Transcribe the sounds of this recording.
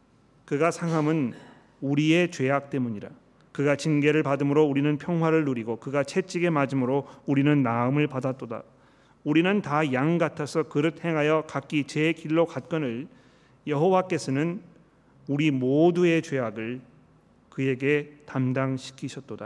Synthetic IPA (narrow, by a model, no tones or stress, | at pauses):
kɯɡasʰaŋɦamɯn | uɾie̞t͡ɕwe̞ak̚t͈e̞muɲiɾa̰ | kɯɡat͡ɕinɡe̞ɾɯɭpadɯmɯɾouɾinɯnpʰjʌŋwaɾɯɭːuɾiɡokɯɡat͡ɕʰe̞t͡ɕ͈iɡe̞mad͡ʑimɯɾouɾinɯnːaɯmɯɭpadat͈̚oda̰ | uɾinɯntajaŋɡatʰʌsʰʌkɯɾɯt̚he̞ŋɦajʌkak͈it͡ɕe̞kiɭːokat̚k͈ʌnɯɭ | jʌɦowak͈e̞sʰʌnɯn | uɾimodue̞t͡ɕweaɡɯɭ | kɯje̞ɡe̞tamdaŋɕʰi̥kʰiɕʰʌt̚t͈oda̰